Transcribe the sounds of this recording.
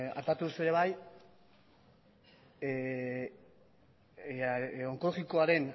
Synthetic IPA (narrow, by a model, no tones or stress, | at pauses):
a̰pat̪uðusue̞ɾe̞β̞aj | o̞ŋko̞lo̞ɣiko̞aɾe̞n